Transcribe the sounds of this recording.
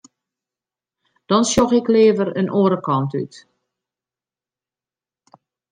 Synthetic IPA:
d̥ɔnsjɔxɪklɪːvəɾə̰nʔoːəɾəkɔnty̰t

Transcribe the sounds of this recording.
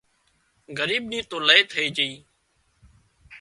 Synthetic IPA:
ɡəɾiːɓniːt̪õːləeːt̪ʰəeːd͡ʒəiː

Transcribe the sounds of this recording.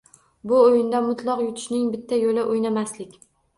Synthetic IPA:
bʊojɪnd̪amʊt̪lˠɒqjʊt̪ʰʊ̥ʃnɪŋbɪt̪ʰːajolɪʔojnamaslɪkʲ

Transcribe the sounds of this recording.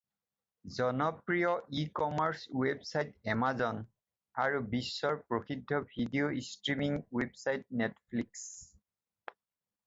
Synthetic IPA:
zɔnɔpɹijɔʔikɔmaɹswebsajtɛmazɔn | aɹubisːɔɹpɹoxidʱːɔbʱidioistɹimiŋwebsajt̚netʰpʰliks

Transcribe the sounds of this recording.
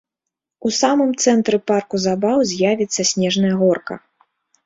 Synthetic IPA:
usamɨmt̪sɛnt̪ɾɛparkuzabawzʲjavʲit̪sːɐsʲnʲɛʐnɐjɐɣɔrkɐ̰

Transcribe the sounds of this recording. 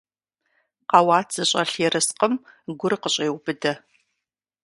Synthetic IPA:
qɑwɑːt͡sɨɕʼɐɬeːɾɨsqəmɡʷʊrqəɕʼeːwbɨdɐ

